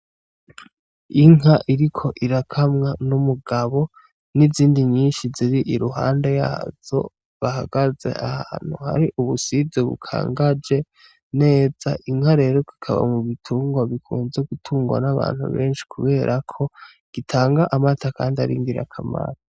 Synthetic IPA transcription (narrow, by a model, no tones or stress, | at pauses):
iŋɦaʔiɾikʰo̞ʔiɾakʰamŋanumuɡaβo̞ | niziːndiɲiːnʃiziɾiʔiɾuɦa̰ːnde̞ja̰ːz̥o̞̰ | βahaɡaze̞̰ʔahaːn̥huha̰ɾiʔuβusizeβṵkʰa̰ːŋɡad͡ʒe̞ | ne̞ːz̥aʔiŋhaɾe̞ːɾo̞ki̥kʰaβa̰muβitʰuːŋɡwaβikʰṵːnzeɡutʰuːŋɡwa̰naβa̰ːnhṵβe̞ːnʃi̥kʰuβe̞ːɾʔakʰo̞ | ɡ̥itʰaːŋɡaʔamatʰakaːndiaɾḭːŋɡiɾa̰kʰama̰ɾo